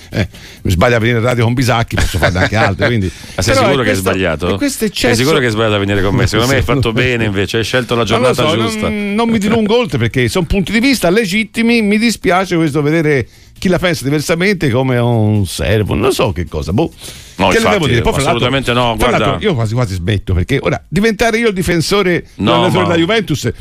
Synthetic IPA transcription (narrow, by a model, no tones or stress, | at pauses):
ɛ̰ | mizbaʎːavːeniːɾeraːd̪jokombizakːippɔsːofa̰ɾeaŋk̟ealt̪ɾikwind̪i | sɛesɾɔskuːɾokɛzbaʎːa̰ːt̪oɛkːwest̪ɛt͡ʃːɛɛjsikuːɾokeɛzbaʎːat̪avːeniːɾekomːese̥kond̪omeajfat̪ːobɛːneiɱveːt͡ʃeajʃɛlt̪olad͡ʒoɾanoasaɔd͡ʒnost̪anːomːid̪iluŋɡoolt̪ɾepeɾkːesonpunt̪id̪ivist̪aled͡ʒit̪ːimimid̪ispjaːt͡ʃekwest̪oved̪eːɾe | k̟ilapɛnsad̪iversament̪ekomeunsɛ̰rvo̰no̰nsɔk̟ːekːɔ̰ːzabukːeledɛːvod̪iɾepɔjffɾalːalut̪ament̪enɔɡwɾaɾlalɾoʔiːokwaːzikwaːzizmḛt̪ːopeɾkeʔo̰ːɾa̰d̪ivent̪aːɾeiːod̪ifensoːɾenaat̪oɾd̪ajuvɛnt̪us